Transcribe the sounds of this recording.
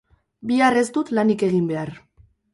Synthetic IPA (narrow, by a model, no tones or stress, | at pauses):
biare̞zd̪ut̪lanike̞ɣ̞imbe̞ar